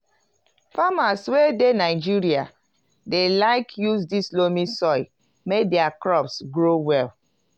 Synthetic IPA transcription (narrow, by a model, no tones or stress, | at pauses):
famaswedenaɪd͡ʒiɹia | delaɪkʰjuzdislomĩsɔɪ | medɛakɹɔpsɡɹowɛl